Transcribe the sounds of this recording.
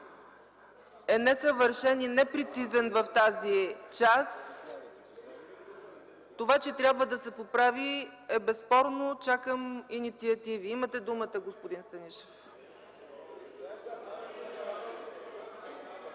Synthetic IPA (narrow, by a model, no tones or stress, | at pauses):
ɛnɛsəvəɾʃɛninɛpɾɛt̪sizɛnvɐft̪azit͡ʃas | t̪ovat͡ʃɛt̪ɾʲabvəd̪ɐsɛpopɾaviɛbɛspɔɾnot͡ʃakəminit̪siɐt̪iviimət̪ɛd̪umət̪əɡospod̪inst̪ɐniʃɛ̥f